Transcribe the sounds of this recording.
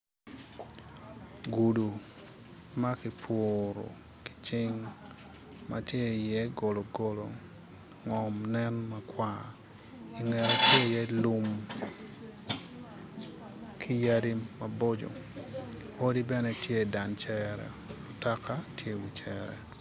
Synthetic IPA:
ɡu˨du˨ | ma˦ki˨pʰoɾo̰˨ | ki̥˨t͡ʃɪŋ | ma̰tje˦jɛ˦ɡo˨lo˨ɡolo˨ | ŋɔ˨mnɛ˦nmakwa | i˨ŋɛ˨ɾo˦tje˦jɛ˦lu˦m | kʰi˦jadi˦mabod͡ʒo̰˨ | o˦di˦bɛ˦nɛ˦tʰje˦da˨nt͡ʃɛɾɛ̰˨ | o˨ta˦ka˦tʰje˦wit͡ʃɛɾɛ̰˨

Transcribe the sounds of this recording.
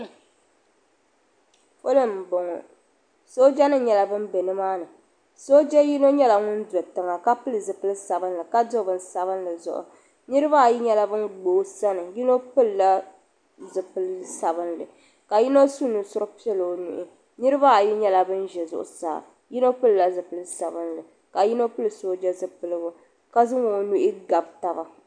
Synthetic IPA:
fo˦lɨ˦m̩˨bo˨ŋɔ˨ | so˦d͡ʒɛ˦nɨ˦ɲɛ˦˨la˨bɨ˦m˦bɛ˨nɨ˦maː˦nɨ˨ | so˦d͡ʒɛ˦ji˦no˦ɲɛ˦la˨ŋʊ˦n˦dɔ˨tɨ˨ŋa˨ka˦pɨ˦lɨ˨zɨ˨pɨ˦lɨ˦sa˨bɨ˦n˦lɨ˨ka˦do˦bɨ˨n˦sa˨βɨ˦nlɨ˨zʊ̰˨ʔʊ̰˨ | nɨ˦ɾɨ˦ba˦˨ji˦ɲɛ˦la˦bɨ˦nɡ͡boː˨˦sa˦nɨ˨ji˦no˦pɨ˦lːa˦ | zɨ˨pɨ˦lɨ˦sa˨βɨ˦nlɨ˨ | ka˨ji˦no˦su˦nu˨sʊ˦ɾɨ˦pi˦ɛ˦lo˨o˦nṵ˨ʔɪ˨ | nɨ˦ɾɨ˦ba˦˨ji˦ɲɛ˦la˦bɨ˦n˦ʒɛ˨zʊ̰˨ʔʊ̰˨sa̰ː˨ | ji˦no˦pɨ˦lːa˦zɨ˨pɨ˦lɨ˦sa˨bɨ˦nlɨ˨ | ka˨ji˦no˦pɨ˦lɨ˨soː˦d͡ʒɛ˦zɨ˦pɨ˨lɨ˦bʊ˨ | ka˦zɨ˦ŋo˨˦nu˦ʔɪ˦ɡa˨bta˨ba˨

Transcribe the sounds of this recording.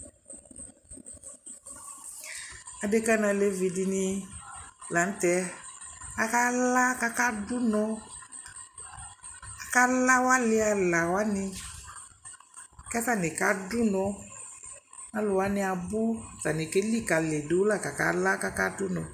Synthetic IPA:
a˨de˦ka˦na˧le˧vi˨di˧nɪ˧ | la˨n̩˦tɛ˧ | a˨ka˦la˦ka˦ka˦dʊ˦nɔ˧ | a˨ka˦la˦wa˦lɪ˦a˧la˨wa˦nɪ˧˨ | kɛ˦ta˦˨nɪ˨ka˦dʊ˦nɔ̃˧ | a˦lʊ˨wa˦nɪ˦a˨bʊ˦˨ta˨nɪ˨ke˦li˦˨ka˨le˨do˨˦la˦˨ka˨ka̰˦la˦ka˦ka˦dʊ˦nɔ̃˨

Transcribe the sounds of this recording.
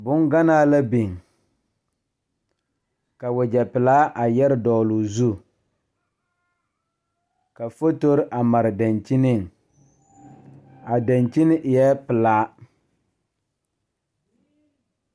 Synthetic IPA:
bʊ˦ŋɡa˦naː˦la˦bi˨ŋ | ka˨wʊ˨d͡ʒɛ˨pɪ˨laː˦ʔa˨jɛ˦ɾɪ˦dɔː˨lu˨zu˦ | ka˨fo˦to˦ɾɪ˦ʔa˨ma˨ɾɪ˨da˨nt͡ʃi˦nɪ˦˨ŋ | a˨da˨nt͡ʃi˦nɪ˦ʔɪ˨jɛ˦pɪ˨laː˨˦

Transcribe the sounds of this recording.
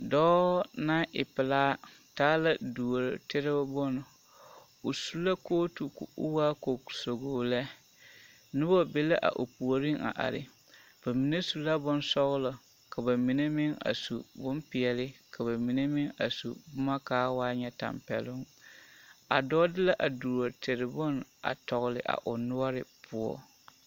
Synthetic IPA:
dɔː˦na˦ʔɪ̰˨pɪ˨laː˦ | taː˦la˦du˨o˨ɾtɪ˦ɾɪ˦bbʊ˦nʊ˨ | o˨su˦la˦koː˦tu˨kʊ˦waː˦ko˨so˨ɡoː˨lɛ˦ | nʊ˦bɔ˦be˦le˦ʔa̰˨ʔo˨pu˨o˨ɾi˦ŋa̰˨ʔa̰˨ɾɪ̰˨ | b̥a˨mi˨ne˦su˨la˦bʊ˦nsɔ˦ɣʊ˦lɔ˨ | ka˨ba˨mi˨ne˦mɪ˦ŋa̰˨su˨bʊ˦mpɪ˨ɛ˨lɪ˦ka˨ba˨mi˨ne˦mɪ˦ŋa̰˨sṵ˨bʊ˦ma˦kaː˦waː˦ɲɛ˦ta̰˨mpɛ̰˨lʊ˦ŋ | a̰˨dɔː˦dɪ˦la˦ʔa˨du˨ɾa˨tʰe˨ɾɪ˨bʊ˦na̰˨tɔ˨ɣʊ˨lɪ˨ʔa̰˨ʔʊ˨nʊ˦ɔ˦ɾɪ˨pʰʊ˦ɔ̰˦

